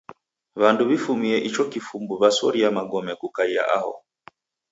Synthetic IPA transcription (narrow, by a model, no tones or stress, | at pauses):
βanduβifumiɛʔit͡ʃɔkifumbuβasɔɾiamaɡɔmɛkukaia̰ʔahɔ̰